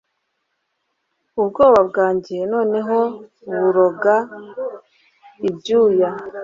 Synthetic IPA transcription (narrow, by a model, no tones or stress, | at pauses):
ubɡo̞ːβabɡaːɲɟeno̞ːne̞ɦo̞ | βuɾo̞ɡa | ibɟuːja